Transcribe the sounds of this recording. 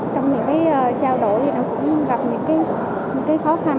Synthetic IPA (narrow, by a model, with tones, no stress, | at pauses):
t͡ɕɔ˧wŋ͡mɲɨ̰˧˥ŋkaː˨˦jʔəː˨˩t͡ɕaː˧wɗo̰˧˩jt̪ʰi˨˩naː˨˦kʊ̰˧˥ŋ͡mɣa˨˩p̚ɲɨ̰˧˥ŋkaː˨˦j | ɲɨ̰˧˥ŋkaː˨˦jxɔ˨˦xa˧˩